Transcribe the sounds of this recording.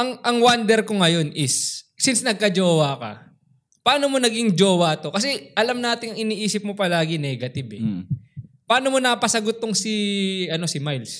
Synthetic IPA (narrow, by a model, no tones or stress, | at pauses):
ʔɐŋʔɐŋwand̪ɛɾko̞ŋɐjo̞nʔɪs | sɪnsnɐɡ̚kɐd͡ʒoːwɐkɐ̰ | paːno̞mo̞nɐɡiŋd͡ʒo̞ːwɐt̪o̞kɐs̬ɛʔɐlɐmnaːt̪ɪŋɐŋɪniːʔiːsɪp̚mopɐlaːɡɪnɛːɡɐt̪ɪbɛ | pɐaːno̞mo̞nɐpɐsɐɡot̪̚ːʊŋsɪʔɐno̞sɪmajls